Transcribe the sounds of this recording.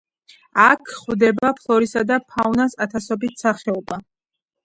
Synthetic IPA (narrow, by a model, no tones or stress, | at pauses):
akʰχwd̪ɛbapʰlˠɔɾisad̪apʰaunasat̪ʰasɔbit̪ʰsaχɛɔba